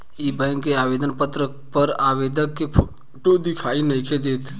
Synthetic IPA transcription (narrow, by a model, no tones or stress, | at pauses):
ibəjnkeabed̪ənpət̪ɾəkpəɾabed̪əkːepʰo | ʈod̪ikʰainəjked̪et̪ʰ